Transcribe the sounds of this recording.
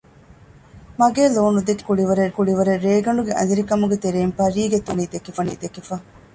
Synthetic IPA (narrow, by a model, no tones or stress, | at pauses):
mɐɡeːloːnud̪ekkːuɽiʋɐɾekuɖiʋɐɾeɾːeːɡɐɳɖuɡeʔɐ̰niɾikɐmuɡet̪eɾeːmpɐɾiːɡet̪uniːd̪ekːefɐnḭːd̪ekːefɐ